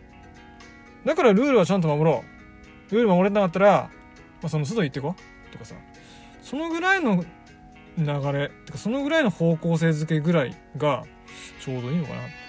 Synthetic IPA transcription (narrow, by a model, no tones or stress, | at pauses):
d̪akaɾaɾɯ̟ːɾɯ̟βat͡ɕãnt̪̬o̞mamo̞ɾo̞ː | ɾɯ̟ːɾɯmamo̞ɾet̪enakat̪ːaɾa | masonos̬ɨd̪oit̪ːe̞ko̞ | tt̪okasa̰ | so̞noɡɯ̟ɾaino̞ | naɡaɾe̞t̪ekḁso̞no̞ɡɯ̟ɾaino̞ho̞ːko̞ːs̬e̞ːzɨke̞ɡɯ̟ɾaḭ | ɡa | t͡ɕo̞ːd̪o̞iːnoka̰na̰